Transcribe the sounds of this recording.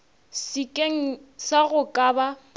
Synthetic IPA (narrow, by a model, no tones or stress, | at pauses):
sikʼeŋ̩saɣʊkʼaːba